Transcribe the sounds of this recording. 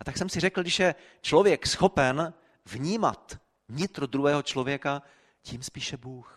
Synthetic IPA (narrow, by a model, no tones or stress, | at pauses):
ʔat̪aksɛmsɪrɛkl̩ɡdɪʃjɛ | t͡ʃlo̞vjɛksxo̞pɛn | vɲiːma̰t̪ | vɲɪt̪ɾod̪ɾuɦɛːɦot͡ʃlo̞vjɛka | ciːmspiːʃɛbuːx